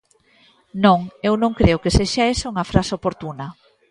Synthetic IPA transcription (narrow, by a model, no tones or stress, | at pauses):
nõŋewnõŋkɾeʊkeseʃaesɐuŋɐfɾasopoɾt̪unɐ